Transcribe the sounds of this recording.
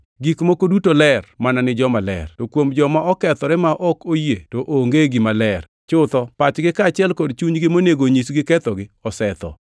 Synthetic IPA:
ɡikmokodutolɛrmananɪd͡ʒɔmalɛ̰rtokwomd͡ʒɔmaɔkɛt̪ɔɾɛmaʔɔkojetoʔoŋɡeɡimalɛr | t͡ʃʊt̪ɔpat͡ʃɡɪkat͡ʃɪɛlkɔdt͡ʃuɲɡɪmoneɡoɲisɡɪkɛt̪ɔɡɪɔsɛt̪ɔ̰

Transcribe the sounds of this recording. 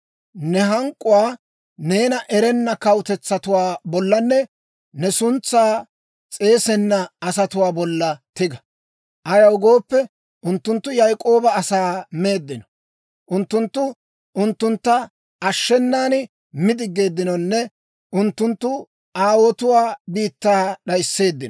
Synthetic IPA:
nɛɦɐŋkʼːʊwaː | ne̞ːnɐʔɛɾɛnːɐkɐwʊt̪ɛt͡sːɐt̪ʊwaːbɔlːɐnːɛ | nɛsʊnt͡sːaː | t͡sʼe̞ːsɛnːɐɐsɐt̪ʊwaːbɔlːɐt̪ɪɡɐ | ʔɐjɐwʊɡo̞ːpːɛ | ʔʊnt̪ːʊnt̪ːʊjɐjkʼo̞ːbɐːsaːme̞ːd̪ːɪnɔ̥ | ʔʊnt̪ːʊnt̪ːʊ | ʔʊnt̪ːʊnt̪ːɐ | ʔɐʃːɛnːaːnɪ | mɪd̪ɪɡːe̞ːd̪ːɪnɔnːɛ | ʔʊnt̪ːʊnt̪ːʊ | ʔaːwɔt̪ʊwaːbiːt̪ːaːɗɐjsːe̞ːd̪ːɪnɔ

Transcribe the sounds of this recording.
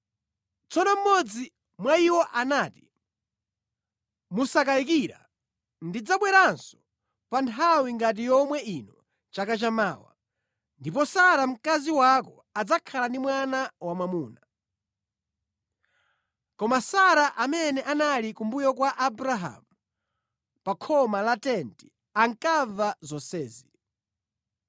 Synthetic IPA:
t͡sɔnɔm̩mɔd͡zi | mwaiwɔʔanaːti̥ | musakaik̬iɾa̰ | ndid͡zaɓwɛɾansɔ̥ | pantʰawiŋɡat̬ijɔmwɛinɔ | t͡ʃakat͡ʃama̰ːwa̰ | ndipɔsaɾam̩kaziwakɔ | ad͡zakʰalandimwanawamwamuːna | kɔmasaɾaʔamɛnɛʔanalikumbujɔkwaʔabɾaɦa̰mu | pakʰɔmalatɛnti̥ | aŋkavazɔsɛːzi

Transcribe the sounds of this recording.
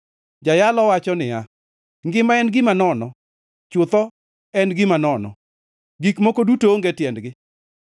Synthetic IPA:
d͡ʒajalɔwat͡ʃɔnɪa | ŋɡɪmaɛnɡɪmanɔnɔ | t͡ʃʊt̪ɔ | ɛnɡɪmanɔnɔ̰ | ɡikmokodutoːŋɡetjɛndɡɪ

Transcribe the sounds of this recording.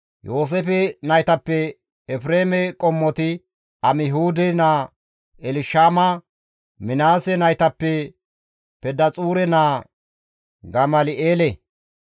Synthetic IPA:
jo̞ːs̬ɛfɛnɐjt̪ɐpːɛ | ɛfɾeːmɛkʼɔmːɔt̪ɪ | ɐmɪhuːd̪ɛnaː | ɛlɪʃaːmɐ | mɪnaːsɛnɐjt̪ɐpːɛ | pɛd̪ɐt͡sʼuːɾɛnaː | ɡɐmɐlɪʔeːlɛ

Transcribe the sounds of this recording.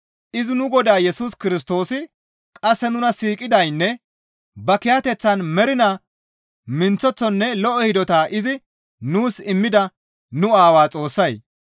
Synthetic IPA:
ʔɪzɪnʊɡɔd̪aːjɛsuːskɪɾɪs̬t̪o̞ːsɪ | kʼɐsːɛnʊnɐsiːkʼɪd̪ɐjnːɛ | bɐkɪjat̪ɛt͡sːɐnmɛɾɪnaː | mɪnt͡sːɔt͡sːɔnːɛlɔʔɔhɪd̪ɔt̪aːʔɪzɪ | nuːsɪmːɪd̪ɐ | nʊaːwaːt͡sʼo̞ːsːɐj

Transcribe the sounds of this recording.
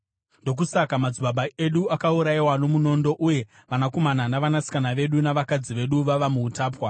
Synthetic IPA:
ndo̞k̬usakamad͡ziɓaɓae̞ɗuakauɾaiwano̞muno̞ndo̞ʔuje̞ | ʋanako̞mananaʋanasi̥kanaʋe̞ɗunaʋakad͡ziʋe̞ɗuʋaʋamuːtaːpwa

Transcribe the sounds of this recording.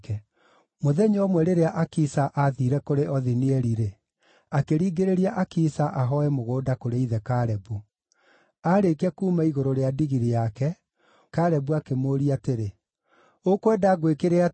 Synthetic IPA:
kɛ | moðɛɲɔmwɛɾeɾeaʔakisaʔaðiɾɛkoɾeʔɔðiniɛɾiɾe | akeɾiːɡeɾeɾiaʔakisaʔaɦɔɛmoɣoːdakoɾeiðɛkaɾɛbu | aɾekɛkuːmaiɣoɾoɾeadiɣiɾejakɛ | kaɾɛbuakemoːɾiateɾe | okwɛdaɣwekeɾea

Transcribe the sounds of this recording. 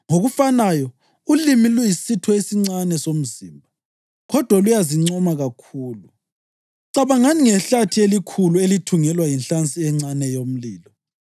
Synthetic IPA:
ŋoɣufanajɔ | ulimilujisitʰɔesiŋ͡ǀanɛsom̩zḭmbʱa | ɣɔd̥ʱwalujaziŋ͡ǀɔmaɣakʰuːlu | ǀaβaŋaniŋɛɬatʰielikʰuluelitʰuŋɛlwajinɬant͡sʼiɛŋ͡ǀanɛjom̩liːlɔ

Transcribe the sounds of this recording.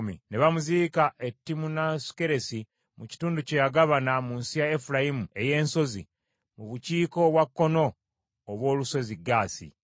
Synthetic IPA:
mḭneβamuzikaʔetːimunasu̥ke̞ɾe̞si | muci̥tuːnducejaɡaβanamunsijaefuɾajimue̞je̞ːnso̞zḭ | muβuciːko̞βwakːo̞no̞ː | βwo̞ːluso̞ziɡaːsḭ

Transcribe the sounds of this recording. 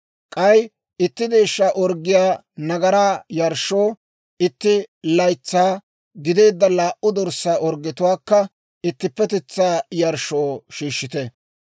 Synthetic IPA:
kʼɐj | ʔɪt̪ːɪd̪e̞ːʃːaːʔɔɾɡːɪjaː | nɐɡɐɾaːjɐɾʃːo̞ː | ɪt̪ːɪlɐjt͡sːaː | ɡɪd̪e̞ːd̪ːɐlaːʔʔʊd̪ɔɾsaːʔɔɾɡɪt̪ʊwaːkːɐ | ɪt̪ːɪpːɛt̪ɛt͡sːaːjɐɾʃoːʃiːʃːɪt̪ɛ

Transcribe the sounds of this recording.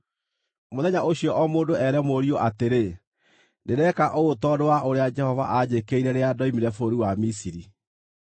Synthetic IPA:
moðɛɲaʔoɕiɔʔɔmoːndoɛɾɛmoɾioʔateɾe | neɾɛkaʔootɔdowaʔoɾead͡ʒɛhɔva̰ʔaɲekeiɾɛɾeadɔimiɾɛfoɾiwamisiɾi

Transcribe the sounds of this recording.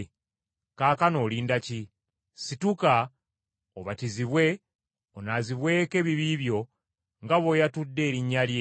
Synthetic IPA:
kaːkano̞ːliːndaci | situka | oβatiziβwe̞ | onaziβwe̞ːke̞ːβiβiːβjo̞ | ŋɡaβo̞jatudːe̞ːɾiɲːalje

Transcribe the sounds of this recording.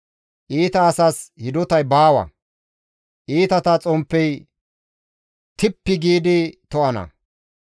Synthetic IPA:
ʔiːt̪ɐːsɐshɪd̪ɔt̪ɐjbaːwɐ̰ | ʔiːt̪ɐt̪ɐt͡sʼɔmpːɛj | t̪ɪpːɪɡiːd̪ɪt̪ɔʔɐnɐ̰

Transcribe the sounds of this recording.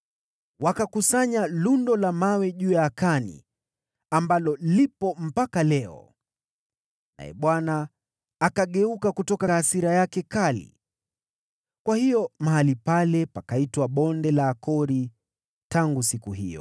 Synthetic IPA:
wakakusaɲalundɔlamawɛʄuːjaːkanḭ | ambalɔlipɔm̩pakalɛɔ̰ | na̰jɛ̰ɓwanaː | kaɠɛukakutɔkasiɾajakɛkalḭ | kwahijɔmaɦalipalɛpakaitwaɓɔndɛlaːkʰɔɾi | taŋɡusikuɦḭjɔ̰

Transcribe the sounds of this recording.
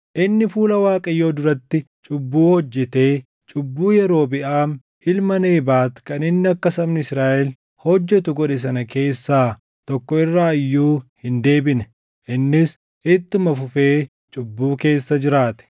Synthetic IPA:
ʔɪnːɪfuːlɐwaːkʼɐjːo̞ːd̪ʊɾɐt̪ːɪ | t͡ʃʼʊbːuːhɔd͡ʒːɛt̪e̞ː | t͡ʃʼʊbːuːjɛɾo̞ːbɪʔaːm | hɪlmɐneːbaːt̪kɐnɪnːɪɐkːɐsɐmnɪɪsɾaːʔɛl | hɔd͡ʒːɛt̪ʊɡɔᶑɛs̬ɐnɐke̞ːsːaː | t̪ɔkːɔɪrːaːɪjːuːhɪnd̪e̞ːbɪnɛ | ʔɪnːɪs | ʔɪt̪ːʊmɐfʊfe̞ː | t͡ʃʼʊbːuːke̞ːsːɐd͡ʒɪɾaːt̪ɛ̥

